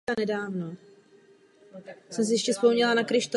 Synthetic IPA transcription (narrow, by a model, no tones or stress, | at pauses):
anɛdaːvno | sɛms̬ɪjɛʃcɛspomɲɛlanakɾɪʃt̪o